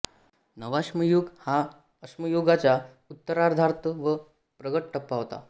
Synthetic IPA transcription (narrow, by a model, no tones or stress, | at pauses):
nəʋaɕməjoɡha | əɕməjoɡat͡ɕja | ut̪ːəɾaɾd̪ʱaɾt̪əʋə | pɾəɡəʈʈʰəpːaɦot̪a̰